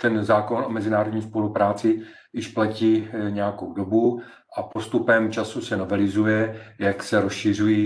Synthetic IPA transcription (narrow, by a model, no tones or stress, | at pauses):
t̪ɛnzaːkonomɛzɪnaːɾodɲiːspo̞lupɾaːt͡sɪ | jɪʃplaciːɲɛjako̞wdo̞bu | ʔapo̞st̪upɛmt͡ʃasusɛno̞vɛlɪzujɛjaksɛɾosʃɪr̝uji